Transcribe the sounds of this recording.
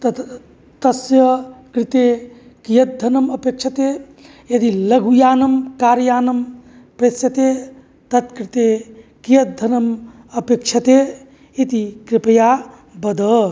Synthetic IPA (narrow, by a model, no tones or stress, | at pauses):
t̪ɐt̪ | t̪ɐsjɐkɾit̪e | kijɐt̪̚d̪ʱɐnɐmɐpek̚t͡ʃʰɐt̪e | jɐd̪ilɐɡujaːnɐmkaːɾjaːnɐm | pɾesjɐt̪e | t̪ɐt̪kɾit̪ekijɐt̪̚d̪ʱɐnɐm | ɐpekt͡ʃʰɐt̪e | it̪ikɾipɐja | bɐd̪ɐ